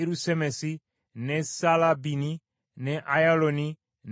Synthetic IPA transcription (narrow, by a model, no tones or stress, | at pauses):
eɾusɛmɛsi | nɛsalabini | nɛʔajalonĩ | n